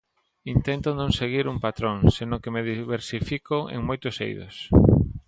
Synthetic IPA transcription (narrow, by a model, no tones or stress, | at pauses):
int̪ɛnt̪ʊnõŋseɣiɾuŋpat̪ɾoŋsenõkemeðiβeɾsifikoḛŋmojt̪ʊsḛjðo̰s